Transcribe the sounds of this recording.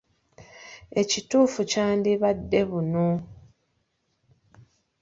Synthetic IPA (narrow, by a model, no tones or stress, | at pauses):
e̞cituːfucaːndiβadːe̞βuno